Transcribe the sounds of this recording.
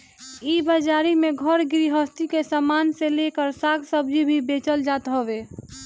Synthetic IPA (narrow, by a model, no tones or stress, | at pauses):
ibad͡ʒaːɾimẽɡʱəɾɡɪɾiɦəst̪ikesamaːnselekəɾsaːɡsəbd͡ʒʱibʱibeːt͡ʃəld͡ʒaːt̪ɦɔʋeː